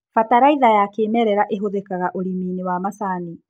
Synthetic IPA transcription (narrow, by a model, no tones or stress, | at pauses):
fataɾaiðajakeːmɛɾɛɾaʔeɦoðekaɣaʔoɾimiːnewamasani